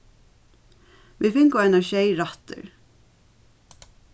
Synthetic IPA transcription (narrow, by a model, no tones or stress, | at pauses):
ʋifɪŋkʊaɪnaʃeɪɹat̪ə̰ɹ